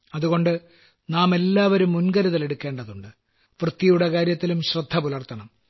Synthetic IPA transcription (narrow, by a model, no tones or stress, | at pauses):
ɐðuɣo̞ɳɖɨ | naːme̞lːaːʋɐɾumːunɡɐɾuðɐle̞ɽukːe̞ːɳɖɐðuɳɖɨ | ʋrɨt̪ːijuɽekaːɾjɐt̪ːilumɕrɐd̪ʱːɐpulɐrt̪ʰːɐɳɐm